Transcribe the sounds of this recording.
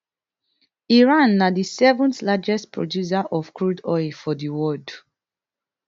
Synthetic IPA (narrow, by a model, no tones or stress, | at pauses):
iɹãnːadisɛvɔ̃ntlad͡ʒɛstpɹɔ̰djus̬aʔɔfkɹudɔjlfɔdiwɔd